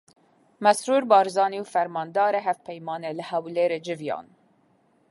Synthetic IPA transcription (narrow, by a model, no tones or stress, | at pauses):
mɛsɾuːɾbɑːɾzɑːniwfɛɾmɑːnd̪ɑːɾeɦɛvpʰɛjmɑːnelɨhɛwleːɾeːd͡ʒɪvjɑ̰ːn